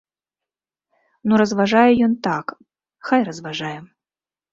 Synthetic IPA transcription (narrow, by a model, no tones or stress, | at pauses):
nuɾɐzvaʐajɛjɔnt̪ak | xajrɐzvaʐajɛ